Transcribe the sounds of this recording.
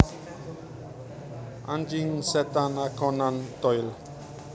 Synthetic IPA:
ã̰nd͡ʒiŋsɛt̪anakʰɔnant̪ɔjl

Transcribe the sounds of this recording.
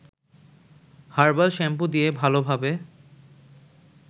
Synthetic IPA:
haɾbalʃɛmpud̪ijebʱalobʱabe

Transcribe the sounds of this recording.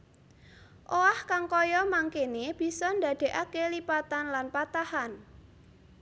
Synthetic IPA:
ʔoahkaŋkɔjɔmaŋkeneb̥i̤sɔnd̪ä̤d̪̥e̤ʔakelipat̪anlanpat̪ahan

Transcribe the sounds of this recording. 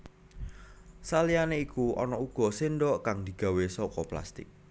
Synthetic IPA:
salianeikuɔ̰nɔuɡ̥ɔ̤senɖɔʔkaŋd̪̥i̤ɡ̥a̤wesɔkɔpla̰st̪ɪ̰k̚

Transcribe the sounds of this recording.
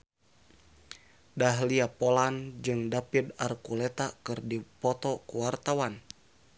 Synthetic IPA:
daɦliapɔland͡ʒɨŋdapid̪arkulɛt̪akɨrdipɔt̪ɔkuwart̪awan

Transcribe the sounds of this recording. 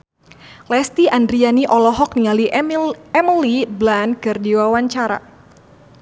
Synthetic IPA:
lɛst̪iʔandɾianiʔɔlɔɦɔk̚nialiɛməliblankɨrdiwawaɲt͡ʃaɾa̰

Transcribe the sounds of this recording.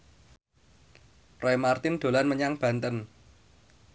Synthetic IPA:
roɛmart̪ɪnd̪̥o̤lanməɲaŋb̥ä̤nt̪ən

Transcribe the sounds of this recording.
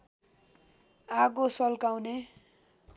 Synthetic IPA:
aɡosʌlkawne

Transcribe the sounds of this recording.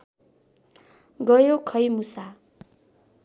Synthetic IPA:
ɡʌjokʰʌjmusa

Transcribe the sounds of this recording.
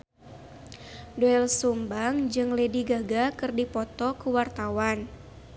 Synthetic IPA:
dɔɛlsumbaŋd͡ʒɨŋlediɡaɡakɨrdipɔt̪ɔkuwart̪awan

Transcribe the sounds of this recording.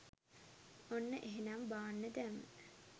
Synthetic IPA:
onːəʔeɦenambaːnːəd̪æmːə

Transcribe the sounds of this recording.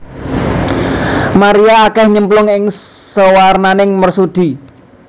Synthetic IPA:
maɾiaːkɛhɲəmplʊŋɪŋsəwarnanɪŋmərsud̪̥i̤

